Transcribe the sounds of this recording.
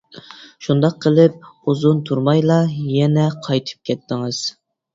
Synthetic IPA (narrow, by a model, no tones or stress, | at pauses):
ʃund̪ɑq̚ʰːəlˠɪp̚uzunt̪ʰuɾmɑjlˠɑjɛnɛqʰɑjt̪ʰɨ̥p̚kʲʰɛt̪ːɪŋɨz̥